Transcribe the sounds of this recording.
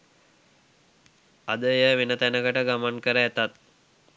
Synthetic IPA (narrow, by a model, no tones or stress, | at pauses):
a̰d̪əjəʋenət̪ænəkəʈəɡamankəɾəæt̪at̪̚